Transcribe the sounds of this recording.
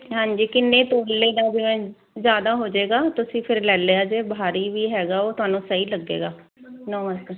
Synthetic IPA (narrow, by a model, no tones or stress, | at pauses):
ɦãːɲd͡ʒiːkɪnːẽːt̪oːɽːeːd̪aːd͡ʒɪʋɛ̃ː | zjaːd̪aːɦoːd͡ʒeːɡaːt̪ʊsĩːpʰɪɾlɛːleːaːd͡ʒeːbʱaːɾiːʋiːɦɛːɡaːoːt̪ʊaːnũːsəiːləɡːḛːɡaːnɔ̃ːʋaskː